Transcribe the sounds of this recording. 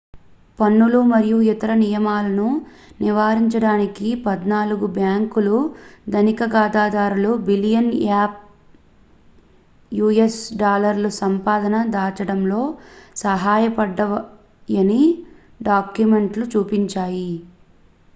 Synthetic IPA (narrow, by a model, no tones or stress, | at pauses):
pɐnːulumɐɾijuit̪ɐɾɐnijɐmaːlɐnu | niʋaːɾiɲt͡ʃɐɽaːnikipɐd̪naːluɡubjaːŋkulud̪ɐnikɐɡaːd̪aːd̪aːɾulubilijɐnaːp̚ | juːesɖaːlɐɾlusɐmpaːd̪ɐnɐd̪aːt͡ʃɐɽɐmlo̞ːsɐɦaːjɐpɐɖːɐ | jɐni | ɖaːkjume̞ɳʈlut͡ʃuːpiɲt͡ʃaːji